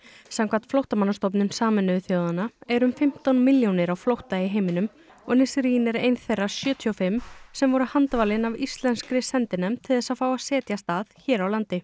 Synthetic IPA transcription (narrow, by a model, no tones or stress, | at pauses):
samkʰḁt̪flowht̪amanːast̪ɔwp̬nʏnsaːmɪnːʏvɪθjowðanaɛɾʏmfɪm̥t̪ɔnmɪljownɪɾawflowht̪aɪɦeːjmɪnʏm | ɔɣnɪsɾinɛɾejnθejrːḁsjœːt̪ʰiɔfɪmːsɛmvɔɾʏhant̪vaːlɪnavist̪lɛnskɾɪsɛnt̪ɪnɛmt̪ʰɪlðɛsaðfaːwḁsɛːt̪jast̪aːðçɛːɾawlant̪ɪ